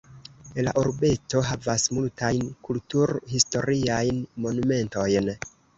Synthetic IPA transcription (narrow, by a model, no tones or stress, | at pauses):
ela̰ʔoɾbe̞to̞ɦavasmultajnkultuɾhisto̞ɾiajnmo̞nume̞nto̞jn